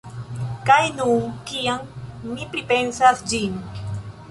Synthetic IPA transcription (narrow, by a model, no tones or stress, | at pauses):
kajnunkiaŋmipɾipensasd͡ʒin